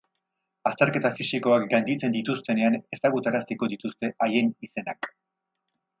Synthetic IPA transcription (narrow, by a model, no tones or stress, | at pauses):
ast̪e̞ɾke̞t̪afisiko̞akɡand̪it͡se̞nd̪it̪ust̪e̞ne̞ane̞saɣut̪aɾast̪iko̞ðit̪ust̪e̞ʔaje̞nise̞nak